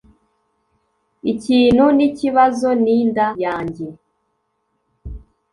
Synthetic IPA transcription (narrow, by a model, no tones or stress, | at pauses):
iciːnhuniciβazo̞niːndajaːɲɟe̞